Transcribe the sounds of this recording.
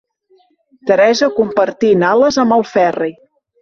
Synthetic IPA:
t̪əɾɛzəkumpəɾt̪inaləzəmbəlˠfɛrej

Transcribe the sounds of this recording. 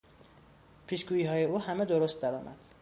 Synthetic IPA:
pʰiːʃɡuːiːɦɒːjeuːhæmed̪oɾost̪̚d̪æɾɒːmæ̰d̪̥

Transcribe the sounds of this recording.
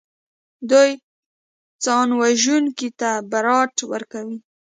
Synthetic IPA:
d̪uj | t͡sɑnwaʒunkit̪abaɾɑʈwə̰ɾkawi

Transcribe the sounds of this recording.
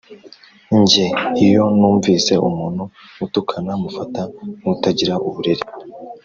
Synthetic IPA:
ɲɟe̞ijo̞nuːɱviːse̞ʔumuːnhu | utukʰanamufatautaɟiɾaʔuβuɾeɾe

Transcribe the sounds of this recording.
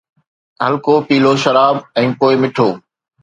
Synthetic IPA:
ɦɐlkopiːloʃɐɾaːbɛ̃ːpoːɪmɪʈʰoː

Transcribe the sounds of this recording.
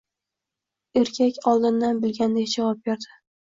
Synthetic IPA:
e̞ɾkʲʰakʲɒlˠd̪ɪnd̪anbɪlɡʲand̪ekʲd͡ʒavɒp̚beɾd̪ɪ

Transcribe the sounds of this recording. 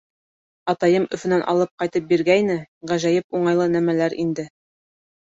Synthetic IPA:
ɑt̪ɑjɤmɵ̆fɵ̆nænʔɑ̰lˠɤp̚qɑjt̪ɤp̚biɾɡæjnɘʁæʒæjɘpuɴɑjlˠɤnæmælæɾḭnd̪ɘ

